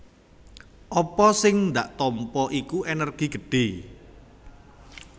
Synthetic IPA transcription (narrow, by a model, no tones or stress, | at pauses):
ʔɔpɔsɪŋnd̪aʔt̪ɔmpɔʔikuʔenərɡ̥i̤ɡ̥əɖ̥e